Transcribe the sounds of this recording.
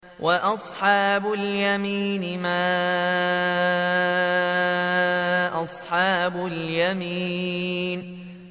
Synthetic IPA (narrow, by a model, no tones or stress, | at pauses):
wʔaʔɑsˤħɑːbʊljamiːnɪmaː | ʔɑsˤħɑːbʊljamiːn